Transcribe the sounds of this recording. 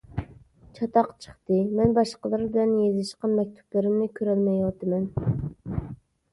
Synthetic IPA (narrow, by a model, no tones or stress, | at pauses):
t͡ʃʰɑt̪ɑqt͡ʃʰə̥χt̪ɨmɛnbɑʃqəlˠɨɾbɪlɛnjezɪʃqɑnmɛk̚ʲt̪ʰu̥plˠɨɾɪmnɪkʲʰøɾɛlmɛjwɑt̪ɨmɛn